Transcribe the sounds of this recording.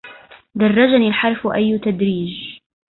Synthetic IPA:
d̪ɑrˤːɑd͡ʒaniːlħɑɾˤfʔajːt̪ad̪ɾiːd͡ʒ

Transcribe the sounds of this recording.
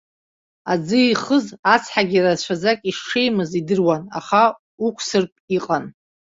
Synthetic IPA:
ad͡zɨiːχəzat͡sʰħaɡʲirat͡ɕʷʰazakʼiʂʂejmɨzidɨrwana̰χa | ukʷʰʼsɨrpʼiqʼan

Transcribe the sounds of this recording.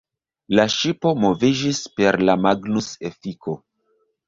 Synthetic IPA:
laʃipo̞mo̞vid͡ʒispe̞ɾlamaɡnusefiko̞

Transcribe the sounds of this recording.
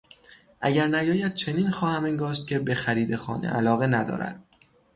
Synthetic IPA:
ʔæɟæɾnæjɒːjæd̪̥̚t͡ʃʰe̞niːnxɒːhæmeŋɡɒːs̬t̪̚cʲʰe̞be̞xæɾiːd̪e̞xɒ̰ːnḛʔælɒːɣe̞næd̪ɒ̰ːɾæ̰d̪̥̚

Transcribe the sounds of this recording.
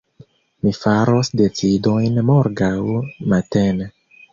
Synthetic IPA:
mifaɾo̞sde̞t͡sido̞jnmoɾɡawmatene

